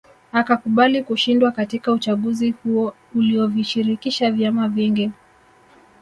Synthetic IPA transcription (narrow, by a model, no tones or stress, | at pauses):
akakuɓalikuʃindwakatikaut͡ʃaɠuzihuɔ | uliɔviʃiɾikiʃavjamaviŋɡi